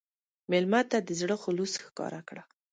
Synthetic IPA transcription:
mɪlmat̪ad̪əzɽəxʊlusxkɑ̰ɾakɽa

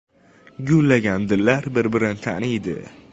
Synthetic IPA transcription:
ɡʲʊlːaɡʲand̪ɪlːaɾbɪɾbɪɾɪnɪt̪ʰa̰nid̪ɪ̰

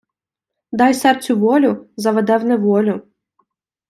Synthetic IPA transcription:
d̪ɑjsɛrt͡sʲʊʋɔlʲʊzɐʋɛd̪ɛwnɛʋɔlʲʊ

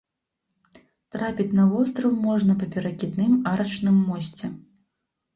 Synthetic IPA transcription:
t̪ɾapʲit͡sʲnɐvɔst̪ɾɐwmɔʐnɐpɐpʲɛɾɐkʲid̪nɨmaɾɐt͡ʂnɨmːɔsʲt͡sʲɛ

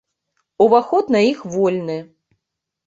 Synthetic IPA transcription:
uvaxɔt̪naixvɔlʲnɨ

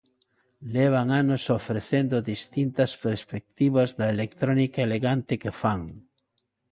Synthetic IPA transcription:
leβ̞aŋanosofɾeθend̪oðist̪int̪ɐspeɾspek̚t̪iβɐzðɐelekt̪ɾonikaeleɣant̪ɪkefaŋ

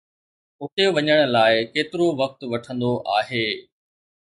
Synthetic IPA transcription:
ʊt̪eʋɐɲəɽ̃ə̆laːɪkeːt̪ɪɾoʋɐk̚t̪ʋɐʈʰə̃nd̪oʔaːɦeː

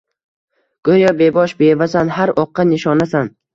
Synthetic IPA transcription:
ɡ̥ojɒbebɒʃbe̞vasanɦaɾɒqːɑnɪʃɒnasan

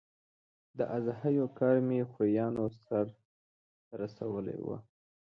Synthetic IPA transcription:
d̪əʔazhajokɑɾmexojɑnosaɾ | t̪aɾasawəlḛwa̰

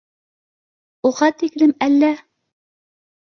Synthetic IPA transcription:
uʁɑt̪ːiklɘmælːæ

